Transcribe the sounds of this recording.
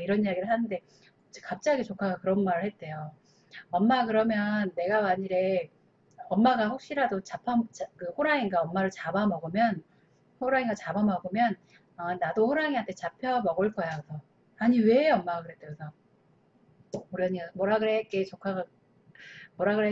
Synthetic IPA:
iɾʌnijaɡiɾɯɭhanɯnde̞ | t͡ɕʰi̥kap̚t͡ɕ͈aɡit͡ɕokʰaɡakɯɾʌnmaɾɯɭhe̞t̚t͈e̞jo | ʌmːakɯɾʌmjʌnːe̞ɡawaɲiɾe̞ | ʌmːaɡaɸok̚ɕ͈iɾadot͡ɕapʰamt͡ɕkɯɸoɾaiŋɡaʌmːaɾɯɭt͡ɕabamʌɡɯmjʌn | hoɾaiŋɡat͡ɕabamʌɡomjʌn | ʌnadoɸoɾaŋiɦantʰe̞t͡ɕapʰjʌmʌɡɯɭk͈ʌjakɯsʰʌ | aɲiwe̞ʌmːaɡaɡɯɾet͈ːeɡʌsʰʌ | uɾjʌɲiamʌɾaɡɯɾet̚k͈e̞t͡ɕokʰaɡa | moɾaɡɯɭe

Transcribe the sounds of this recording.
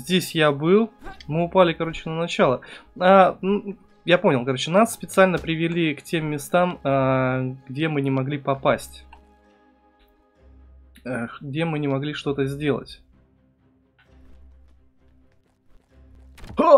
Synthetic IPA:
zʲdʲesʲjabɨlˠmɨʊpalʲɪkɐɾo̞t͡ɕɪnənɐt͡ɕalˠəanu | japo̞nʲɪlˠkɐɾo̞t͡ɕɪnasːpʲɪt̪sɨalʲnəpɾʲɪvʲɪlʲiktʲe̞mːʲɪst̪aməɡdʲe̞mɨnʲɪmɐɡlʲipɐpasʲtʲ | əɡ̚dʲemɨnʲɪmɐɡlʲiʂt̪o̞t̪əzʲdʲe̞lˠə̰tʲ

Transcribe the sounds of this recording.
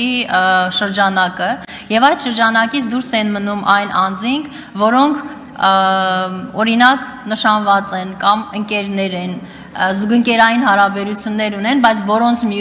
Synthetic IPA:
iʃəɾd͡ʒɑnɑkə | jɛvɑjd̪ʃəɾd͡ʒɑnɑkit͡sʰd̪uɾsɛnmənumʔɑjnʔɑnd͡ziŋkʰ | vɔɾɔŋkʰ | ɔɾinɑknəʃɑnvɑt͡sɛnkɑməŋkɛɾnɛɾɛn | zuɡəŋkɛɾɑjinɦɑɾɑbɛɾut͡sʰjunːɛɾunɛnbɑjt͡sʰvɔɾɔnt͡sʰmi

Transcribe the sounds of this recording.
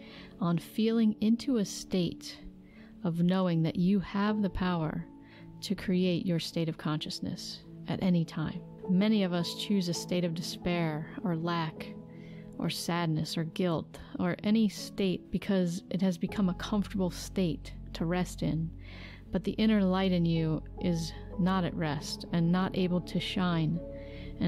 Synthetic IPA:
ə̃n̩filˠɪ̃ŋɪ̃ntʰʉɨsteɪɾ | ʌvnoʊɪ̃ŋðɨt͡ʃɨəvðɨpʰaʊə̰˞ | ɾɨkʰɹ̥ieɪt͡ʃə˞steɪɾʌv̥kʰɑ̃nʃɨsnɨ̰s | ɨ̰ɾʔɛnitʰãɪ̃m | mɛñiʌvʌst͡ʃʰʉzɨsteɪɾʌvdɨspɛɹə˞læk | ʔə˞sædⁿnɨsə˞ɡɪlˠt | ə˞ʔɛñisteɪt̚b̥ɨkʰʌzʔɨt̚hɨzbɨkʰʌ̃məkʰʌ̃ɱftə˞bl̩ˠsteɪtʰːɨɹɛstɪ̰̃n | b̥ʌt̪̚ðiʔɪ̃ɾ̃ə˞laɪɾɨ̃njʉ | ʔɪz | nəɾɨ̰ʔ̚ɹɛstɨ̃nːəɾʔḛɪbl̩ˠtʰɨʃãɪ̃n | ɨ̃

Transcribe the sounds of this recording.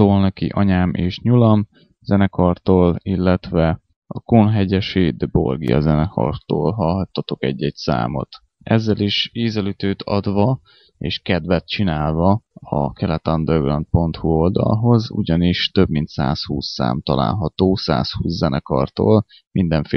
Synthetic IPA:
oːlnɛkḭʔɒɲaːmʔeːʃɲulɒm | z̥ɛnɛkɒrt̪oːlilːɛt̪ʋɛ | ɒkonɦɛɟɛʃeːd̪bo̞̰rɡiɒ̰zɛnɛkʰɒ̰rt̪oːlɦɒlɦɒt̪ːɒt̪o̞kɛɟːɛɟsa̰ːmo̞̰t̪ | ɛzːɛliʃeːzɛlyt̪øːt̪ʰɒd̪ʋɒ | eːʃkɛd̪vɛt̪t͡ʃinaːlvɒɒ̰kɛlɛt̪ɒnd̪ørɡlɒnt̪̚po̞nt̪huo̞ld̪ɒ̰lɦo̞zṵɟɒniʃt̪øbmint̪sa̰ːshuːsːa̰ːmt̪ɒla̰ːlɦɒt̪oːsa̰ːshuːszɛnʔɛkɒ̰rt̪o̰ːl | mind̪ɛɱfe

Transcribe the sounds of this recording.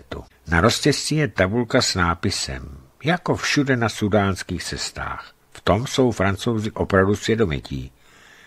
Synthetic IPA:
t̪ṵ | naɾo̞scɛscɪjɛt̪abulkasnaːpɪsɛ̰m | jako̞fʃudɛnasudaːnskiːxt͡sɛst̪a̰ːx | ft̪o̞mso̞wfɾant͡so̞wzɪʔo̞pɾavdusvjɛdo̞mɪ̰cḭː

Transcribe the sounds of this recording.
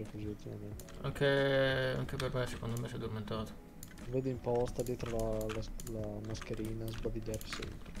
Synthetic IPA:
ɾekuziult̪ːima̰ment̪e̥a̰ŋkea̰ŋkepermesekond̪omesɛd̪ːoɾment̪aːt̪o̥ | veːd̪eimpɔst̪ad̪jɛːt̪ɾolalalamaskeɾiːnazbad̪iʎːaɾi̥sɛ̰mpɾe

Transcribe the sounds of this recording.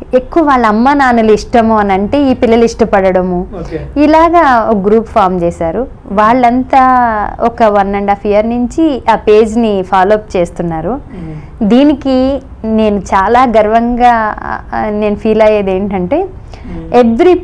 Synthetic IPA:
e̞kːuʋɐʋaːɭːɐmːaːnaːnuluiʂʈɐmuɐnɐɳʈe̞ːiːpilːɐluiʂʈɐpɐɽɐɽɐmuilaːɡaːoɡɾuːpfaːɾmt͡ʃeːsaːɾu | ʋaːɭːɐnt̪aːɔkɐʋɐnːɐɳɖaːpʰijɐɾnuɲt͡ʃiaːpe̞ːd͡ʒnipʰaːloːp̚t͡ʃe̞ːst̪unːaːɾu | d̪iːniki | ne̞ːnut͡ʃaːlaːɡɐɾʋɐŋɡaː | ne̞ːnupʰiːlɐjeːd̪e̞ːɳʈɐɳʈe̞ː | eʋːɐɾi

